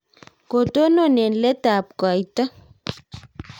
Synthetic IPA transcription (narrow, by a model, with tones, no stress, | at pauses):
ko˨to˦no˦˨ne˨nle˦ta˨p̚ka˨jta˦